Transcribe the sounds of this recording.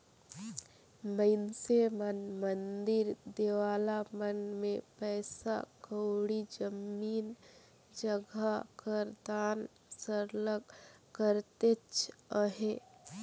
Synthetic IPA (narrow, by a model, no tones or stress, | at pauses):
məɪnsemənmənd̪ɪɾd̪ewaːlamənmẽpɛːsa̰kəʊɽid͡ʒəmiːn | d͡ʒəɡʱakəɾd̪aːn | səɾləkəɾt̪et͡ʃʰəɦe